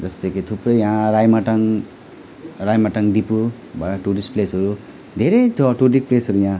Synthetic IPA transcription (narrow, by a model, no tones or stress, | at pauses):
d͡zʌst̪ekʰit̪ʰuprʌjjãɾajmaʈʌŋ | rajmaʈʌŋɖipu | baʈuɾisplesʌɾu | d̪ʱeɾʌjtʰʈuɾik̚plesɦʌɾujã